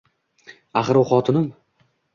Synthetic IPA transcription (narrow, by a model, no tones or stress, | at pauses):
aχɨɾʊχɒt̪ʰɪnɪm